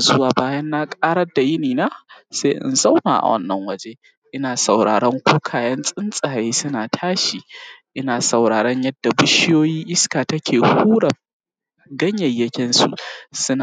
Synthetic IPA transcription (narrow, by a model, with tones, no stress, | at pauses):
zʊ˦waː˨baː˦jɐ˦nːa˦kʼaː˦ɽɐ˦da˨jɪ˦niː˨naː˦se˦ʔɪ̰˨nza˦wna̰ː˨ʔa̰˨wʔɐ̰˦nːɐ˨ŋwɐ˦d͡ʒeː˦ | ʔɪ˦naː˨sɐ˨wɽa̰ː˨ɽɐ˦ŋkʷuː˦kʰaː˨jɐ˦nsʼɪ˦nsʼaː˨jeː˦sʊ˦naː˨tʰaː˦ʃiː˨ʔɪ˦naː˨sɐ˨wɽaː˨ɽɐ˦ɲjɐ˦dːa˨bʊ˦ʃɪ˦joː˦jiː˦ʔɪ˦skaː˨tɐ˦kʲʰeː˨huː˦ɽɐ˨ | ɡɐ˦ɲjɐ˨jːɐ˦kʲɪ˦nsṵ˨sʊ˦na˨